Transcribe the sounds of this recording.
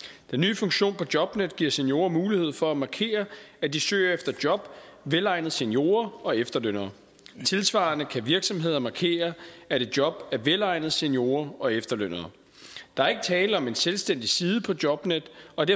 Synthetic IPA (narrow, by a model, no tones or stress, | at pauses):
d̥enːy̰ːfɔ̽ŋɕo̝̰ːnpʰɒ̽d̥jɒ̽b̥ned̥ɡ̥iɐ̰senjo̝̰ːɐmuːlihe̝ð̞̰ˠfɒ̽æmɑ̈kʰe̝̰ːɐæd̥isø̰ːɐefd̥ɐd̥jɒ̽b̥ʋelɑ̈ɪnð̩ˠse̝njo̝̰ːɐɒ̽efd̥ɐløn̰ɐ | t͡sʰe̝lsʋɑ̰̈nəkʰæʋiɐɡ̥sɒ̽mɦe̝ð̞̰ˠɐmɑ̈kʰe̝̰ːɐæɾe̝d̥̚jɒ̽b̥æɐʋelɑ̈ɪ̰nð̩ˠsenjo̝ːɐɒ̽efd̥ɐløn̰ɐð̩ˠ | d̥ɑ̈æɐe̝ɡ̥ət͡sʰɛːləɒ̽me̝nselsd̥en̰d̥isiːð̞̩ˠəpʰɒ̽d̥jɒ̽b̥ned̥ɒ̽d̥eɐ